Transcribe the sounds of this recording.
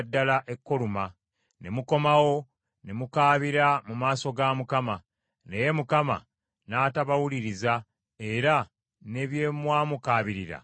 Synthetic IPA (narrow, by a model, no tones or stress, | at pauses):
dːalaʔe̞kːo̞luma | ne̞muko̞mawo̞ | ne̞mukaːβiɾamumaːso̞ɡamukama | ne̞je̞mukama̰ | naːtaβawuliɾiza | e̞ɾa | ne̞βje̞mwaːmukaːβiɾiɾa̰